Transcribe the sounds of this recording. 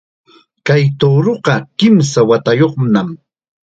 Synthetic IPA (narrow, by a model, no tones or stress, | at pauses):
kajt̪owɾoqɑkɪms̬awat̪ajoχnam